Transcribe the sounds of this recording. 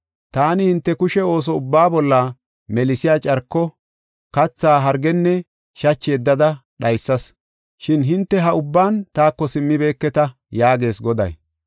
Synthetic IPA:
t̪aːnɪhɪnt̪ːɛkʊʃɛo̞ːs̬ɔʊbːaːbɔlːɐ | mɛlɪsɪjaːt͡ʃʼɐɾkːɔ | kɐt͡sːaːɦɐɾɡɛnːɛ | ʃɐt͡ʃːeːd̪ːɐd̪ɐ | ɗɐjsːɐs | ʃɪnɦɪnt̪ːɛɦɐʊbːaːnt̪aːkːɔsɪmːɪbe̞ːkːɛt̪ɐ | jaːɡe̞ːsɡɔd̪ɐ̰j

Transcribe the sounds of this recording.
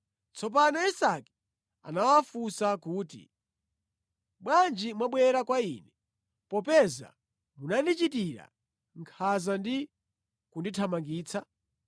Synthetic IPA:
t͡sɔp̬anaisaki̥ | a̰nawafusakuːtḭ | ɓwand͡ʒimwaɓwɛɾakwainɛ | pɔpɛza̰ | munandit͡ʃitiɾa̰ | ŋkʰazandi | kunditʰamaŋɡiːt͡sʰa

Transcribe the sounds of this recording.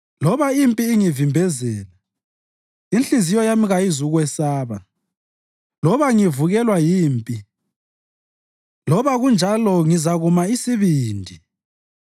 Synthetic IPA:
lɔβaimpʼiːŋivimbʱɛzɛːla | inɬʼizijɔjamiɣaizuɣwɛsaːβa | lɔβaŋivuɣɛlwajiːmpʼi | lɔβaɣund͡ʒʱalɔŋizaɣumaisiβiːndʱi

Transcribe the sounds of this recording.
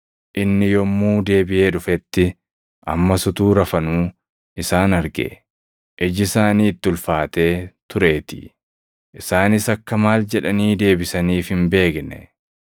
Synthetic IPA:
ʔɪnːɪjɔmːuːd̪e̞ːbɪje̞ːᶑʊfɛt̪ːɪ | ʔɐ̰mːɐsʊt̪uːɾɐfɐnuː | ʔɪsaːnɐɾɡḛ | ʔɛd͡ʒɪsaːniːt̪ːɪʊlfaːt̪e̞ːt̪ʊɾe̞ːt̪ḭ | ʔɪsaːnɪsɐkːɐmaːld͡ʒɛᶑɐniːd̪e̞ːbɪsɐniːfhɪmbe̞ːɡnɛ̰

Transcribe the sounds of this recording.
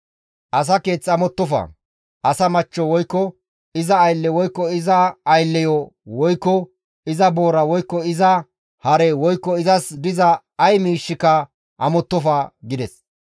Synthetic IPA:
ʔɐs̬ɐke̞ːt͡sːɐmɔt̪ːɔfɐ̰ | ʔɐsɐmɐt͡ʃːɔwɔjkːɔ | ɪzɐːjlːɛwɔjkːɔɪzɐɐjlːɛjɔwɔjkːɔ | ɪzɐbo̞ːɾɐwɔjkːɔɪzɐ | hɐɾɛwɔjkːɔɪzɐsd̪ɪzɐ | ɐjmiːʃːɪkːɐ | ʔɐmɔt̪ːɔfɐɡɪd̪ɛs

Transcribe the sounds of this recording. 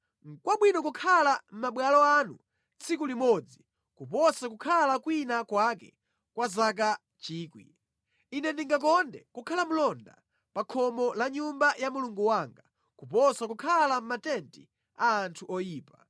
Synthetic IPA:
ŋ̩kwaɓwinɔkukʰalam̩maɓwalɔanṵ | t͡sʰikulimɔd͡zi | kupɔsakukʰalakwinakwakɛ̰ | kwazak̬a | t͡ʃiːkwḭ | inɛndiŋɡak̬ɔndɛkukʰalam̩lɔnda̰ | pakʰɔmɔlaɲumbajamuluŋɡuwaːŋɡa | kupɔsakukʰalam̩matɛnti | aːntʰuʔɔjiːpa

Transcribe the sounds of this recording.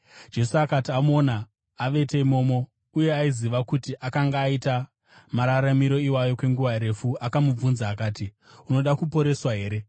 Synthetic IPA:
d͡ʒe̞suakatiamonaː | ʋe̞teimo̞ːmo̞ | uje̞aiziʋakutiʔakaŋɡaːita | maɾaɾamiɾo̞iwajo̞kwe̞ŋɡuʋaɾe̞fuakamub͡vunzaːkaːti | uno̞ɗakupo̞ɾe̞swaɦe̞ːɾe̞

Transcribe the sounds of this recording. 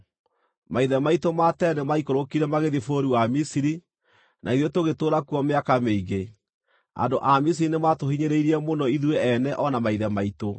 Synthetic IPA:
maiðɛmaitomatɛnemaikoɾokiɾɛmaɣeðifoɾiwamisiɾi | nʔa̰iðjɔtoɣetoːɾakuɔmeakameiɣe | a̰ndoʔamis̬iɾinematohiɲeɾeiɾiɛmonɔiðwɛɛnɛʔɔnamaiðɛmaito

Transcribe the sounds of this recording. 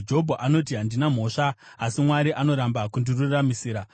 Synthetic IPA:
d͡ʒo̞bʱoʔano̞t̬iɦandinam̤o̞ːʂaː | simwaɾiʔano̞ɾambakundiruramisiːɾa

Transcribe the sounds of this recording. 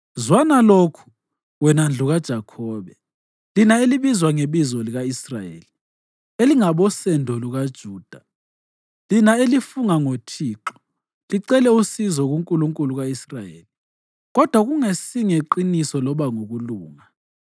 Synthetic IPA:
zwanalokʰu̥ | wɛnand͡ɮʱuɣad̥ʒ̥ʱakʰɔːβɛ | linaeliβizwaŋeβizɔliɣaisra̰jḛːli | eliŋaβɔsɛndʱɔluɣad̥ʒ̥ʱuːd̥ʱa | linaelifuŋaŋotʰiːǁɔ̥ | liǀɛlɛusizɔɣuŋkʼuluŋkʼuluɣaisrajeːli | ɣɔd̥ʱwaɣuŋesiŋeǃinisɔlɔβaŋoɣuluːŋa

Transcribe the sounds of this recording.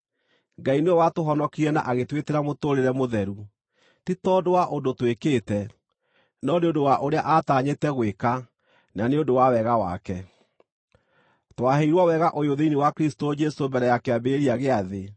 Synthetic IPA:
ɡaineɔwatoɦɔnɔkiɾɛna̰ʔaɣetweteɾamotoɾeɾɛmoðɛɾu | titɔdowaʔondotwekeːtɛ | nɔneondowaʔoɾeaʔataɲetɛɣweka | naneodowawɛɣawa̰kɛ | twaɦeiɾwawɛɣaʔojoðeinewakɾistod͡ʒɛsombɛɾɛjakeabeɾiaɣeaðe

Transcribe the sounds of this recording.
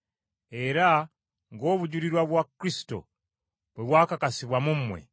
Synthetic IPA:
e̞ɾa | ŋɡo̞ːβuɟuɾiɾwaβwakɾisi̥to̞̰ | βweβwaːkakasiβwamummwḛ

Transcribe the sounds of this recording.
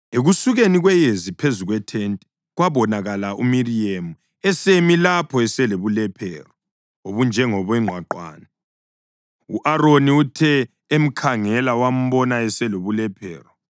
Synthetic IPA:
eɣusuɣeniɣwɛjezipʰezuɣwɛtʰɛntʼɛ | ɣwaβɔnaɣalaʔumiriemu | ɛsemilapʰɔɛsɛleβulɛpʰɛːrɔ | oβund͡ʒʱɛŋɔβɛŋ͡ǃʱwaǃwa̰ːna | uʔaɾoniutʰɛ | em̩kʰaŋɛlawam̩βɔnaɛsɛloβulɛpʰɛːrɔ

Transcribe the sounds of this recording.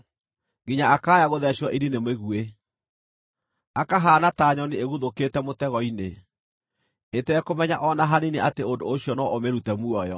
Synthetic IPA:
ŋɡiɲaakaːjaɣoðɛɕɔʔiɾinemeɣue | akaɦaːnataɲɔnieɣuðokeːtɛmotɛɣɔine | etɛkomɛɲaʔɔnaɦanineateondoːɕiɔnɔʔomeɾutɛmuɔjɔ

